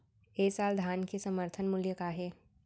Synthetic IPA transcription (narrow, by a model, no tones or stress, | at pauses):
eːsaːld̪ʱaːnkesɐməɾt̪ʰənmʊljəkaɦeː